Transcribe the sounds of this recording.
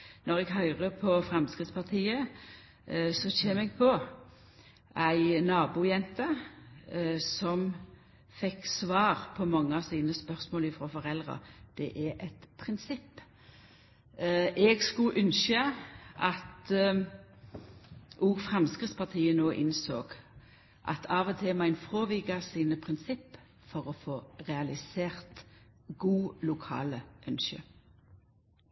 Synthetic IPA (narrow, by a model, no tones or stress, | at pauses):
nɔʁɛɡɦœʏʁəpʰɔfʁɛmskʁɪt̪spɑʁt̪ʰiːə | sɔçeːmɛɡ̚pʰɔ | æɪnɑːbuːjɛnt̪ə | sɔm | fɛksʋɑːʁpʰɔmɑŋːəɑsiːnəspœʁsmoːlɪfʁoːfɔʁɛlʁə̰d̪̥ɛʔæʔɛt̪pʰʁɪnsɪpː | ʔɛːɡskʉʔʉnʃəʔɑt̪ | ʔuːɡfʁɑmskʁɪt̪spʰɑʁt̪ʰiːənoːʔɪnsoːɡ̥ | ʔɑ̰t̪ʰɑːʋɔt̪ʰɪmæɪnfʁoːʋiːɡɑsiːnəpʰʁɪnsɪpː | fɔʁɔfoːʁɛɑlɪseːʁt̪ɡuːlʊkʰɑ̰ːləʔœnʃə̰